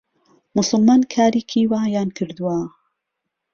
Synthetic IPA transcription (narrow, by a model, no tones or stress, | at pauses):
mʊsʊlmaːnkʰaːɾiːkʰiwaːjaːnkʰɨɾd̪uwa